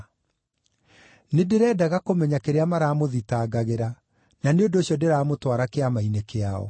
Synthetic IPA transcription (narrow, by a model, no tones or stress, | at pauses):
nedeɾɛːdaɣakomɛɲakeɾeamaɾaːmoðitaːɡaɣeɾa | naneondoɕjɔdeɾaːmotwaɾakeamainekeaɔ̰